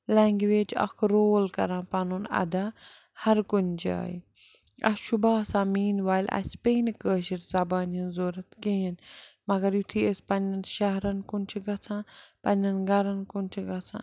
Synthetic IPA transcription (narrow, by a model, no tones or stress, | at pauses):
lɛːŋɡʋeːt͡ʃɐ̰kʰɾoːlkɐɾãːpanunɐ̰d̪aː | hɐɾkund͡ʒa̰ːji | ɐ̰ʃubaːsãːmiːnʋaːlʲɐ̰sʲpeːnkəːʃiɾzɐbaːninzoːɾɐt̪keːnmɐɡɐɾjut̪ʰiːespɐnɐnʃɐɦɾɐnkunʲt͡ʃʰiɡɐt͡sʰãːpɐnɐnɡɐɾɐnkunʲt͡ʃʰiɡɐt͡sʰã̰ː